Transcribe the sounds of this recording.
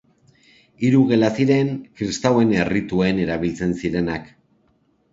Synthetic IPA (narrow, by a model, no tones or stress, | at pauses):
iɾuɣe̞lasiɾe̞ŋkɾist̪awe̞ne̞rit̪ue̞ne̞ɾaβ̞ilt͡se̞nsiɾe̞nak